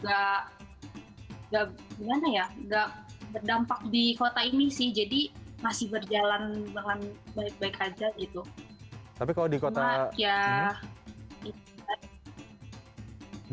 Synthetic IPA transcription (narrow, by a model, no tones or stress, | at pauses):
ɡa | ŋɡaʔɡimanajaɡaʔbərdampak̚dikot̪ainisɪhd͡ʒadimasɪhbərd͡ʒalanbaŋanbaɪk̚baɪkad͡ʒaɡit̪ut̪apikalodikot̪aaja | i | a